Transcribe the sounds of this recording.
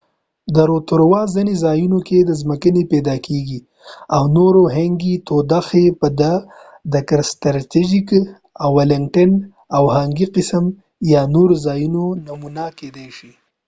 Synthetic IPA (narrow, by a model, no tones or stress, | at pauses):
d̪əɾot̪ʊɾwɑzinezɑjunoked̪əzməkənepɛd̪ɑkʰeɡi | awnoɾoɦaŋɡit̪od̪axepəd̪a | d̪əkaɾst̪ɾat̪id͡ʒik | awːalɪŋ̚ʈan | awhaŋɡiqɪsəm | jɑnoɾozɑjunonamunaked̪ajʃi